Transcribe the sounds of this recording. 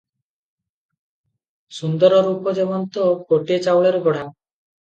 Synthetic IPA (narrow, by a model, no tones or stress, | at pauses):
sund̪ɔɾɔɾupɔd͡ʒebɔnt̪ɔkoʈiet͡ʃawɭeɾupɔɽ̤a